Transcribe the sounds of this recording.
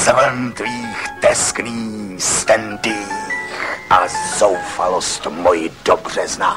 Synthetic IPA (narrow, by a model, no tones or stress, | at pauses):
zvɛnt̪viːxt̪ɛskniːst̪ɛnd̪ixʔazowfalost̪mojɪdobr̝̥ɛzna